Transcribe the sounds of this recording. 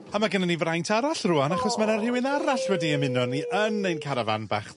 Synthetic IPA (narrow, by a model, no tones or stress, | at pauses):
amaɡənanivrajntʰaɾaɬruanaχɔsmanarɪwɪnaɾaɬwɛdiəmɪnɔniʔənejnkʰaɾava̰nba̰χ